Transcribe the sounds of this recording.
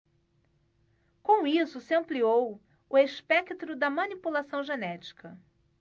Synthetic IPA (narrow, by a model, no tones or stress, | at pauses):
kõw̃isʊsɪɐ̃pliow | ʊeʃpɛkt̪ɾʊd̪ɐmɐ̃nipulasɐ̃w̃ʒenɛt͡ʃi̥kʰɐ